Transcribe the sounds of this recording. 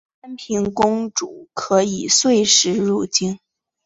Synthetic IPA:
a˥npʰi˧˥ŋkʊ˥ŋʈ͡ʂu˨˩kʰɤ˧˥i˨˩swe˥˧ɪʂɻ̩˧˥ɻu˥˩t͡ɕi˥n

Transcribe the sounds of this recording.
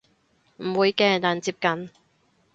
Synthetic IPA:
m̩˨˩wuː˨˧jkɛː˧t̪aː˨nt͡siː˧p̚kɐ˨n

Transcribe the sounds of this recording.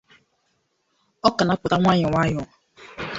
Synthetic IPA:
ɔ˦ka˨na˨˦pʊ˨ta˦ŋʷa˦ɲɪ˨ŋʷa˦jɔ˨

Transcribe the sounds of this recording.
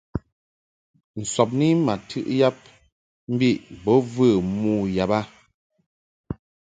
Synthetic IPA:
n̩˨sɔ˨p̬̚ni˦ma˨tʰɨ̰˦ʔja˦p̚ | m̩˦bi˦˨ʔbɔ˨˦vɨ˦˨mu˦˨ja˨ba˦

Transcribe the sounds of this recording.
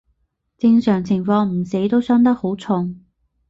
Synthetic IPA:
t͡sɪ˧ŋsœː˨˩ŋt͡sʰɪ˨˩ŋfɔː˧ŋm̩˨˩se˨˥jt̪o˥wsœː˥ŋt̪ɐ˥k̚ho˨˥wt͡sʰʊ˧ŋ

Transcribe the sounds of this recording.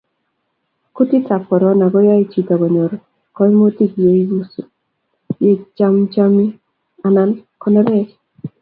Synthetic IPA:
ku˦ti˦ta˨pɔ˨ɾɔ˨˦na˨ɡɔ˦ja˦i˦t͡ʃi˦ta˨ɡɔ˨ɲo˨ɾ | kɔ˦mo˦ti˦kje˦i˦ɡu˦so˨ | je˦t͡ʃa˦mt͡ʃa˦mi˦ | a˨na˦nkɔ˦nɔ˦ɾɛ˦t͡ʃ

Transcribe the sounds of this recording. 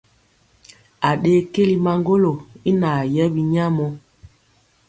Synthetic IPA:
a˨ɗeː˦ke˦li˨ma˨ŋɡo˦lo˨i˦na˨jɛ˦bi˨ɲa˦mɔ˦

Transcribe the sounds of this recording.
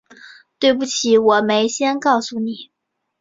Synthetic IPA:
t̪we˥˧ɪp̬u˥˩t͡ɕʰi˨˩˥wɔ˨˩me˧˥ɪɕjɛ˥nkɑ˥˩ʊsu˥˩ni˨˩˦

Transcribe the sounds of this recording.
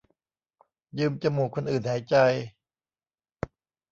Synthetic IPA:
jɯː˧mt͡ɕa˧muː˨˩kʰo˧nʔɯː˨˩nha˩˦jt͡ɕa˧j

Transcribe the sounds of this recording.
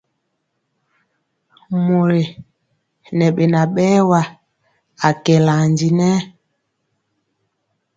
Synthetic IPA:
mo˨ɾe˨ | nɛ˨ɓe˨na˨ɓɛ˦wa˨ | a˨kɛ˨la˨ɲd͡ʒi˨nɛ˦

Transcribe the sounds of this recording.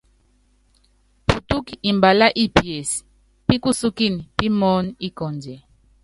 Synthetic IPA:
pu˨tu˦ki˨i˨mba˨la˦ʔi˦pjɛ˨si̥˨ | pi˦ku˦su˦ki˦ni˨pi˦mɔ˦n˦i˦kɔ˨nd͡ʒɛ˨

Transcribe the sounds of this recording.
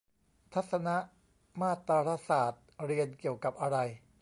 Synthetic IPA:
t̪ʰa˦˥t̪̚sa˧na˦˥ʔ | maː˥˩t̪ːa˧ɾa˦˥saː˨˩t̪̚ɾi˧ənki˨˩əwka˨˩p̚ʔa˧ɾa˧j

